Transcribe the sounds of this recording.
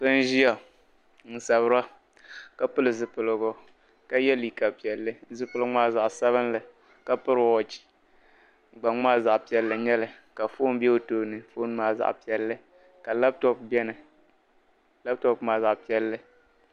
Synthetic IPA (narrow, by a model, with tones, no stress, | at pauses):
kɨ˦n˦ʒi˦a˨ | n̩˨sa˨βɨ˦ɾa˦ | ka˦pɨ˦lɨ˨zɨ˨pɨ˨lɨ˨ɡʊ˦ | ka˦jɛ˦li˨ka˨pi˨ɛ˨lːɨ˦zɨ˦pɨ˦lɨ˦ŋ͡maː˦za˨ʔsa˦βɨ˦n˦lɨ˨ | ka˦pɨ˦ɾɨ˨ɔ˨t͡ʃi̥˨ | ɡ͡ba˨ŋ͡maː˦˨za˨ʔpi˨ɛ˨lːɨ˨ɲɛ˦lɨ˨ | ka˨fo˦n˦bɛ˦o˨toː˨nɨ˨foː˦n˦maː˦˨za̰˨ʔpi˨ɛ˨lːɨ˦ | ka˨la˦b̚tɔ˦pbɛ˦nɨ˨ | la˦b̚tɔ˨pmaː˨za˨ʔpi˦ɛ˦lːɨ˦